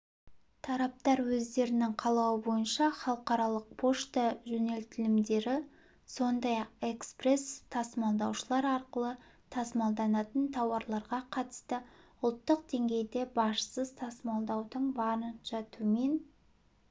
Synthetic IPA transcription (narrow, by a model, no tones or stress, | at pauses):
t̪ʰɑɾɑp̚t̪ɑɾwɵzd̪e̞ɾɪnɪŋqʰɑlˠɑwəbo̞jənʃɑχɑlˠəqɑɾɑlˠəq̚pʰo̞ʃt̪ɑʒɵne̞lt̪ɪlɪmd̪e̞ɾɪ | so̞nd̪ɑjɑq̚e̞kspre̞st̪ʰɑsmɑlˠd̪ɑwʃəlˠɑɾɑɾqəlˠə | t̪ʰɑsmɑlˠd̪ɑnɑt̪ənt̪ʰɑwɑɾlˠɑɾʁɑqʰɑt̪ə̥st̪əʊlˠt̪ːəq̚d̪e̞ŋɡʲe̞jd̪e̞bɑʃə̥səzt̪ʰɑsmɑlˠd̪ɑwd̪əɴbɑɾənʒ̥ɑt̪uəme̞n